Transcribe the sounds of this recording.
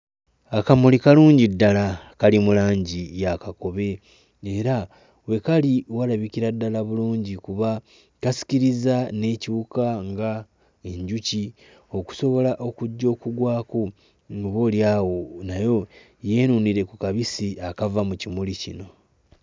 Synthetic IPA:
akamulikaluːɲɟidːalakalimulaːɲɟijakako̞βe̞ː | ɾa | we̞kaliwalaβikiɾadːalaβuluːɲɟikuβa | kasi̥ciɾizane̞cuukaŋɡa | e̞ɲɟuci | o̞ku̥so̞βo̞laʔo̞kuɟːo̞ːkuɡwaːku | ŋɡuβo̞ljaːwo̞najo̞ | je̞ːnuniɾe̞kukaβisiakavamucimulicḭno̞

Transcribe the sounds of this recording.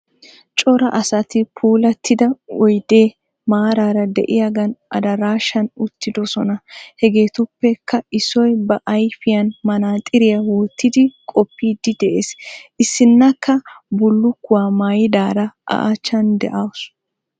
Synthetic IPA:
t͡ʃʼɔɾɐʔɐsɐt̪ɪpʰuːlɐt̪ːɪd̪ɐɔjd̪eː | maːɾaːɾɐd̪ɛ̰ʔɪjɐɡɐnʔɐ̰d̪ɐɾaːʃɐnʊt̪ːɪd̪ɔsɔnɐhɛɡe̞ːt̪ʊpːɛkʰːɐɪsɔjbɐʔɐjfɪjɐnmɐnaːt̪ʼɪɾɪjɐwɔːt̪ːɪd̪ɪkʼɔpːiːd̪ɪd̪ɛʔeːsʔɪsːɪnːɐkːɐbʊlːʊkːʊwaːmaːjɪd̪aːɾɐʔɐ̰ʔat͡ʃːɐnd̪ɛ̰ʔawʊs

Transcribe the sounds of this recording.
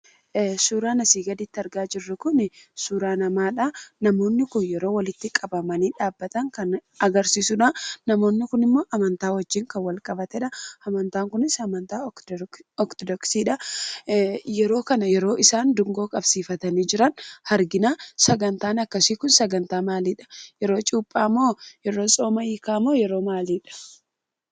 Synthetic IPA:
suːɾaːnɐsiːɡɐd̪ɪt̪ːɪɐɾɡaːd͡ʒɪrːɪkʊnɪsuːɾaːnɐmaːᶑaːnɐmo̞ːnːɪkʊnjɛɾoːwɐlɪt̪ːɪkʼɐbɐmɐniːᶑaːbːɐt̪ɐŋkɐn | ɐɡɐɾsiːsʊᶑaːɐmo̞ːnːɪkʊnɪmːoːʔɐmɐnt̪aːwɐd͡ʒːiːŋkɐwɐlkʼɐbɐt̪ɛᶑɐɐmɐnt̪aːŋkʊnɪsɐmɐnt̪aː | ɔkt̪ɔd̪ɔksiːᶑɐ | jɛɾo̞ːkɐnɐjɛɾo̞ːʔɪsaːnd̪ʊŋɡo̞ːkʼɐb̥siːfɐt̪ɐniːd͡ʒɪɾɐnhɐɾɡɪnaːsɐɡɐnt̪aːnɐkːɐsiːkʊnsɐɡɐnt̪aːmaːliːᶑɐ̥jɛɾo̞ːt͡ʃʼuːpʼːaːmːoːjɛɾo̞ːsʼo̞ːmɐiːkaːmoːjɛɾo̞ːmaːliːᶑɐ̥

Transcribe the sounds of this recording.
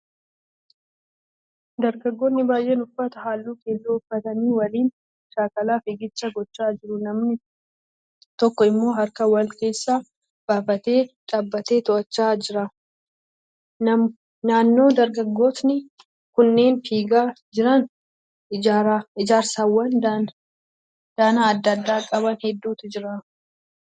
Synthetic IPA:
d̪ɐɾɡɐɡːoːt̪nɪbaːjʔeːnʊfːɐt̪ɐɦaːlːuːke̞ːzːoːʊfːɐt̪ɐniːwɐliːn | ʃaːkɐlaːfɪɡɪt͡ʃːɐɡɔt͡ʃːaːd͡ʒɪɾʊnɐmnɪ | t̪ɔkːɔɪmːo̞ːɦɐɾkɐwɐlke̞ːsːaː | b̥aːfɐt̪e̞ːᶑʼɐbːɐt̪e̞ːt̪ɔʔɐt͡ʃːaːd͡ʒɪɾɐ | nɐ | naːnːo̞ːd̪ɐɾɡɐɡːo̞ːt̪nɪ | kʊnːe̞ːnfiːɡaː | d͡ʒɪɾɐn | aɾɪd͡ʒaːɾsawːɐnd̪a | d̪̥aːnaːd̪ːɐd̪ːaːkʼɐβɐnhɛd̪ːuːt̪ɪd͡ʒɪɾa

